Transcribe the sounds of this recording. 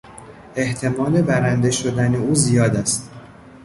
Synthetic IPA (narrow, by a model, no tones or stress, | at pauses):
e̞ht̪ʰe̞mɒːle̞bæɾænd̪e̞ʃod̪æne̞uːzijɒːd̪æst̪̚